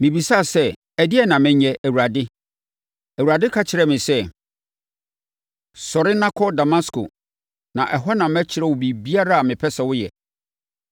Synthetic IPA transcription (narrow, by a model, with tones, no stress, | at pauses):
mɪ̃˨bi˨sa˦˨sɛ˦ | æ˨dɪ˦ɛ˨nã˨mæ̃˦ɲɛ̃˦ʔæ˨wu˨ɾa˨dɪ˦ | æ˨wu˨ɾa˨dɪ˦kʰa˦t͡ɕʰɪ˨ɾɛ˦mɪ̃˨sɛ˦ | sɔ˨ɾɪ˦nã˦kʰɔ˦da˨mã˦skʰʊ̰˨ | nã˨ʔɛ˨ɦɔ˦nã˨mæ˦t͡ɕʰɪ˨ɾɛ˦˨wʊ˨bi˨bi˦a˦ɾa˦a˨mɪ̃˨pʰɛ˦sɛ˨wʊ˦jɛ̰˨